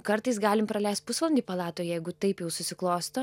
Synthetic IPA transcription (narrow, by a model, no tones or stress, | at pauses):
kɐɾt̪ɐɪsɡɑːlʲɪmpɾɐlʲɛɪst̪̚pʊsʋɐlˠɐnʲd̪ʲipɐlˠɑːt̪oːjjɛɪɡʊt̪ɐɪpjɛʊsʊsʲɪklˠoːst̪oː